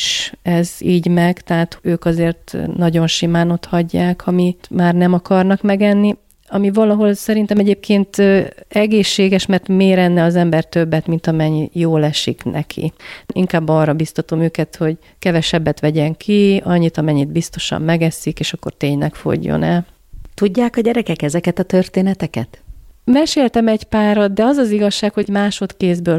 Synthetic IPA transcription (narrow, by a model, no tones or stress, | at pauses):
ʃɛziːɟmɛɡt̪ɛɦaːt̪øːkɒzeːrt̪nɒɟo̞nʃimaːno̞t̪hɒɟːaːkhɒmimaːrnɛmɒkɒrnɒkmɛɡɛnːi | ɒmivɒlɒɦo̞lsɛɾint̪ɛmɛɟeːp̚kʰeːnt̪øɛɡeːʃːeːɡɛʃmɛrt̪meːɾɛnːɛɒzɛmbɛrt̪øbːɛt̪mint̪ɒmɛɲːjoːlɛʃḭknɛ̰kʰḭiŋkaːbːɒːrɒbist̪ɒt̪omøːkɛt̪ho̞ɟ | kɛvɛʃɛbːɛt̪ʋɛɟɛŋkʰiɒɲːit̪ɒmɛɲːid̪̚bist̪o̞ʃɒ̰mːɛɡɛsikeːʃɒkːo̞̰rt̪eːɲlɛkfo̰ɟːo̰nɛ̰l | t̪uɟːaːkɒɟɛɾɛkɛkɛzɛkɛt̪ɒt̪ørt̪eːnɛt̪ɛkɛt̪mɛʃeːlt̪ɛmɛɟpaːɾɒd̪̚d̪ɛɒzɒziɡɒʃːaːkho̞ɟmaːʃo̞t̪keːzbøːl